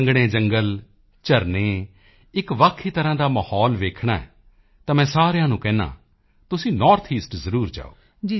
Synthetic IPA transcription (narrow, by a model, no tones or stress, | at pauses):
əŋɡɽ̃eːd͡ʒəŋɡəl | t͡ʃəɾnẽː | ɪkʋaːkʰːiːt̪əɾãːd̪aːməhɔːlʋeːkʰɳa̰ːɛ̰ː | t̪ãːmɛ̃ːsaːɾejãːnũːkɛ̃ːnã̰ː | t̪ʊsĩːnɔːɾt̪ʰiːsʈzəɾuːɾd͡ʒa̰ːoː | d͡ʒ